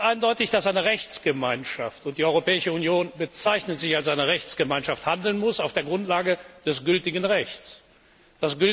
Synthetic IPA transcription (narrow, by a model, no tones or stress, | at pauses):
tʔaɪndɔʏtɪçd̥asʔaɪnəʁɛçt͡sɡ̥əmaɪnʃaftʊnt̚d̥iːʔɔʏʁopɛːɪʃəunjoːnbət͡saɪçnətz̥ɪçalsʔaɪnəʁɛçt͡sɡ̥əmaɪnʃafthandl̩nmʊsaʊfd̥eːɐɡʁʊntlaːɡəd̥ɛsɡ̥ʏltɪɡn̩ʁɛçt͡s | d̥asɡ̥ʏ